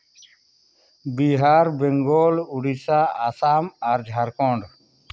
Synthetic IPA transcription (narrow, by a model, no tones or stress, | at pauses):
biːɦaːɾbeŋɡoːlʊɽisaːasaːmaːɾd͡ʒʱaːɾkõːɳɖ